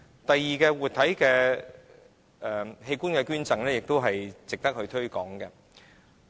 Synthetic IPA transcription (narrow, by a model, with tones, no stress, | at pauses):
t̪ɐ˨jːiː˨kɛː˧wuː˨t̚t̪ʰɐ˨˥jkɛː˧ | ʔɛː˨˩he˧jkuː˥nkɛː˧kyː˥nt͡sɐ˨ŋlɛː˥jɪ˨k̚t̪o˥wɦɐ˨jt͡sɪ˨k̚t̪ɐ˥k̚hɵ˧ɥt̪ʰɵ˥ɥkɔː˨˥ŋkɛ˧